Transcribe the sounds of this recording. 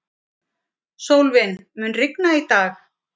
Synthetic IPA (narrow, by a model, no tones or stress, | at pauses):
soːwlvɪnmʏnrɪknait̪aːx